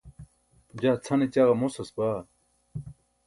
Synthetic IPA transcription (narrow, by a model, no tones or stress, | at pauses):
d͡ʑaːt͡sʰɐnet͡ɕaɣɐmosɐsbaː